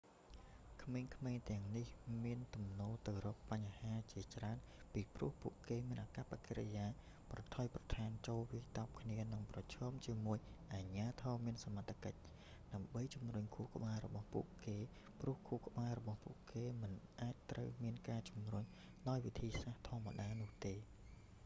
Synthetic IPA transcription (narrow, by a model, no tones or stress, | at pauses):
kʰmeːŋkʰmeːŋt̪ɛ̆əŋnihmiənt̪umnoːlt̪ɨwrɔːpːaɲhaːt͡ɕiət͡ɕraənpiːprŭəhpṵəʔkeːmiənʔakapakʰeɾḛjaː | prɑt̪ʰɑːjprɑt̪ʰaːnt͡ɕoːlʋiəjt̪ap̚kʰniənɨŋprɑt͡ɕʰɔːmt͡ɕiəmuəjʔaːɲaːt̪ʰɑːmiənsamat̪ʰːakəc̚ | ɗaəmɓəjt͡ɕumruɲkʰuːhkə̆ɓaːɛɾɔɓɑhpṵəʔkeː | prʊ̆əhkʰuːhkə̆ɓaːɛɾɔɓɑhpṵəʔkeːmɨnʔaːc̚t̪rəwmiənkaːt͡ɕumruɲ | ɗaɔjʋit̪ʰiːsaht̪ʰŏəmaɗaːnʊ̆əht̪eː